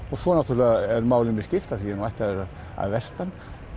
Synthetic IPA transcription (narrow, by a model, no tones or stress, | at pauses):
ɔɣsɔnat̪ʏɾlɪɛɾmaːwlʏnɪscɪl̥t̪asiːanuajht̪aðɛɾ | a̰ðvɛst̪an